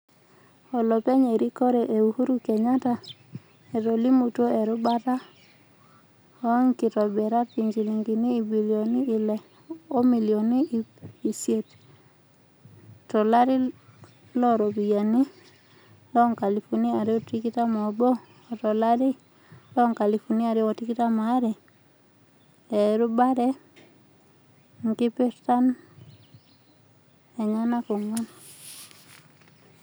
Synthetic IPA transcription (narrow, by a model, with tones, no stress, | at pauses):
ɔ˨lɔ˨pe˦ɲe˨ɾi˦ko˦ɾe˨ʔe˨u˨hu˦ɾu˦kɛ˨ɲa˦ta˨ | e˨ɾo˨li˦mu˨to˦ɛ˨ɾʊ˦ba˦ta˦ | ɔ˨˦ŋkɪ˨tɔ˨bɛ˨ɾa˦ki˨ɲd͡ʒi˨li˨ŋɡi˨niː˦˨bi˨ljo˨niː˦˨lɛ˨ | o˦mi˨li˨o˨ni˦˨i˨sje˨t | tɔ˨la˦ɾɪ˦ | lɔ˦˨ɾo˨bi˨ja˨ni˦ | lɔ˦ŋka˨li˨fu˨ni˦a˨ɾe˦o˦˨ti˦kɪ˦ta˦mɔ˨bɔː˦˨ | tɔ˨la˦ɾɪ˦ | lɔ˦˨ŋka˨li˨fu˨ni˦a˨ɾɪ˦ɔ˨ti˦kɪ˦ta˦ma˨˦ɾɛ˨ | ɛ˨ɾʊ˦ba˦ɾɛ˦ | ŋ˨kɪ˦pe˦ɾta˦n | ɛ˨ɲa˦na˦kɔ˨ŋwa˦n